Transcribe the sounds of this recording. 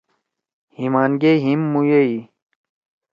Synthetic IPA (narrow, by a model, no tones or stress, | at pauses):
himaːnɡeɦimːujei